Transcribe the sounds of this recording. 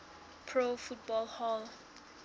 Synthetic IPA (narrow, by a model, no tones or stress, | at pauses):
pʰɹofut̚bɔlhɔl